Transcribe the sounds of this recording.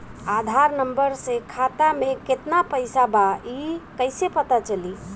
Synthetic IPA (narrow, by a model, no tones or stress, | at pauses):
ad̪ʱaɾnəmbəɾsẽkʰat̪ameket̪napəɪsabaikəɪsepət̪at͡ʃəli